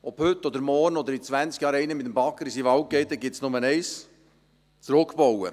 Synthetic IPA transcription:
ɔphʏt̪ːɔd̪əɾmɔrnɔd̪əɾit͡sʋænt͡skjɑːɾɛɪnəmɪt̪əmbɑkːəɾisiʋɑwkːɛɪt̪əɡɪtsnʊmənɛɪs | t͡sɾʊkpowə̰

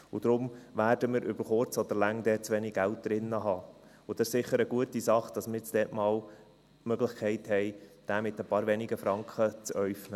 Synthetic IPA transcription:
ʊd̥̪ɾʊmʋæːɾd̥əmɪɾʔʏbəɾχʊɾt͡sɔd̪əɾlæŋd̪ɛːt͡sʋɛniɡ̚ɡælt̚d̥̪ɾɪnːəɦɑː | ʊd̥̪ɛʃsɪχəɾəɡuətisɑχd̥ɑsmɪɾt͡sd̥ɛːtmɑːl | mœɡlɪχkʰɛɪthɛɪd̥æːmɪt̪əpɑːɾʋɛnɪɡəfɾɑŋkχət͡sœʏfnə

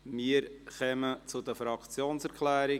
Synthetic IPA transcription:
miəɾχɛmət͡sʊd̪əfɾɑkt͡sjoːnsɛɾkʰlæːɾɪ

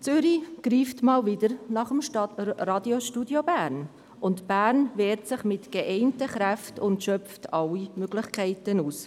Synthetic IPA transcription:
t͡sʏɾiɡ̥ɾiːftmɑːlvɪdəɾnɑχəmʃrɑdjoʃtudjobæːɾn | ʊntb̥æːɾnvɛːɾtsɪχmɪtɡ̥eʔɛɪntəχɾæftʊntʃœftʰɑlːimøɡ̥lɪχkʰɛɪtənuːs

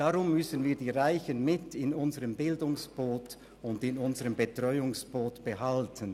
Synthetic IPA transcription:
d̥aʁʊmːʏsən̩viːɐdiːʁaɪçənmɪtɪnʊnzəʁəmbɪldʊŋsb̥oːt | ʊndɪnʊnzəʁəmbetʁ̥ɔʏʊŋsb̥oːtb̥əɦaltʰən

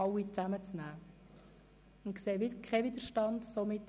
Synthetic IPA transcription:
ɑwit͡sæmət͡snæː | ʊnkseːʋɪdkʰɛvid̪əʃtɑndsomɪt

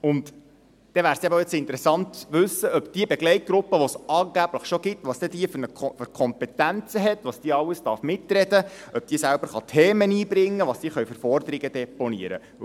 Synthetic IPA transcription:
ʊnt̪ | d̪̥ɛʋæːɾsiɛbɛt͡sɪnt̪əɾɛsɑnt̪ʋʉsːəœpd̥iəbɛɡlɛɪt̚ɡ̥ɾʊpːəʋɔsɑːŋɡ̥æb̥ləχʃoɡ̥ɪt̪ʋɑːsd̥̪ɛd̥̪iəfnəfʏɾkʰɔmpɛt̪ænt͡səɦɛt̪ʋɑːsd̥iəɑwəst̪ɑrfmɪtrɛdəœp̚d̥iːsælb̥əɾχɑt̪ʰɛːməniːbɾɪŋːəʋɑːsd̥iːəχœɥfʏɾfɔrd̪əɾɪɡəd̪ɛponḭəɾə̰

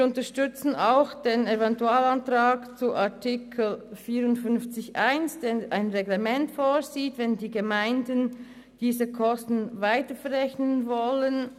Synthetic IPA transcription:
viʊntəʃtʏt͡sn̩aʊxd̥enevɛntuaːlantʁaːkt͡suʔatʰikʰl̩fiːɾʊntfʏnft͡sɪçʔaɪnsd̥enʔaɪnʁeɡlemɛntfoːɾziːtvɛndiːɡəmaɪndən | d̥iːzəkʰɔstn̩vaɪtəfɛɾʁɛçnənvɔlən

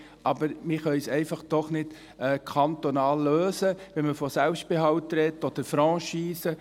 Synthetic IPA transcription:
ʔɑbəɾmɪχœjsɛɪfɑχd̥ɔχnɪt | ɛːkʰɑnt̪onɑːlːøːsəʋɛnməfɔsɛlpʃt̚b̥ɪɦɑwtɾɛtːɔd̥̪əɾfɾɑ̃ːʃiːsə

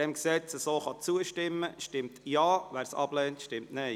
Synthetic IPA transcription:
ɛmksɛt͡səsoːχɑt͡suəʃtɪmːəʃtɪmtjɑːʋæːɾsɑ̰b̥lɛːntʃtɪmtnɛɪ

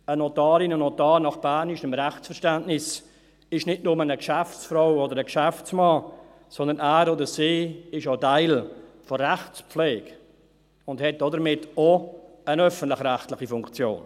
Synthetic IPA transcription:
ənotɑːɾɪnənotɑːɾnɑχb̥ænɪʃəmɾɛχt͡ssfəɾʃtæntnɪs | ɪʃnɪtnʊmənəkʃæft͡sfɾaʊɔdəɾəkʃæft͡smɑː | sɔnd̪ənæːɾodəsiːɪʃotaɪlforɛχt͡sp͡flɛːɡ | ʊndhɛt̚d̥ɔdəɾmɪto | ənœfən̩tlɪxɾæxtlɪxifʊŋkt͡sjo̰ːn

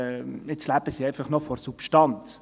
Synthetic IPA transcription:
ɪt͡slæbəsiɛɪfɑχnɔfɔrsupʃtɑnt͡s

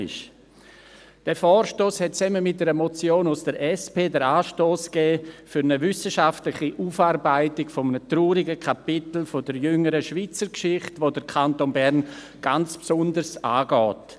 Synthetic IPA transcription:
ɪ̰ʃ | d̥ɛːfɔːɾʃtoːshɛt̚t͡sɛmənmɪt̚d̥ɛːɾəmot͡sjoːnʊsd̥əɾɛspeːdəɾaːʃtoːsɡ̥ɛːfyɾnəvʏsəʃaftlɪχiʔuːfaːɾbaɪtɪkfoɔmənətruːɾɪɡəkʰapɪtl̩fodəɾjʏŋəɾəʃvit͡səɾkʃɪχtʋoːdəɾkʰantonbɛɾn | ɡ̥ant͡spsʊndəɾsa̰ːɡɔːt

